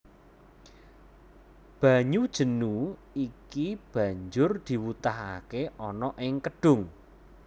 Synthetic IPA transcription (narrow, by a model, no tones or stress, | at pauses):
b̥ä̤ɲud̥ʒ̥ə̤nu | ikib̥ä̤ɲd͡ʒʊrd̪̥i̤wut̪aɦa̰keʔɔnɔʔɪŋkəɖ̥ʊ̤ŋ